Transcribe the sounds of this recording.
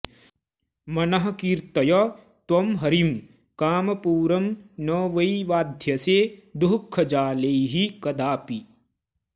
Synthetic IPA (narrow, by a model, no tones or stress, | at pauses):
mɐnɐɦɐ̆kiːɾt̪ɐjɐ | t̪wɐmɦɐɾim | kaːmɐpuːɾɐmnɐːʋɐiʋaːd̪ʱjɐseːd̪uɦkʰːɐd͡ʒaːleɦikɐd̪aːpi